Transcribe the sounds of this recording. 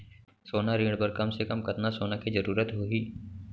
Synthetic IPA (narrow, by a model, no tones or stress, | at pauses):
soːnaɾĩːɽpɐɾkɐmsekɐmkɐt̪nasoːnakid͡ʒɐɾuːɾət̪ɦoiː